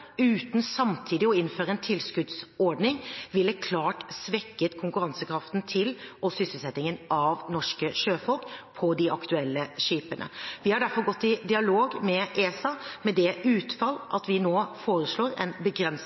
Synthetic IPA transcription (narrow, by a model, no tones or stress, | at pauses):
ʉːt̪n̩sɑmt̪ʰiːd̪ɪɔɪnføːɾəɛnt̪ʰɪlskʉd̪sɔɾɖnɪŋʋɪlːəkʰlɑːʈsʋɛkːət̪kʰʊŋkʉɾɑnsəkʰɾɑft̪n̩t̪ʰɪlʔɔsʏsəlsɛt̪ːɪŋənʔɑʋnɔʂkəʃøːfɔlkpʰɔd̪ɪʔɑkt̪ʉɛlːəʂiːpənʔə̰ʋɪhɑɖæɾfɔɾɡɔt̪ːɪd̪ɪɑloːɡmɛʔeːsɑmɛd̪ɛʉːt̪fɑlːʔɑt̪ʋɪnoːfoːɾəsɭoːɾɛ̰nbəɡɾɛns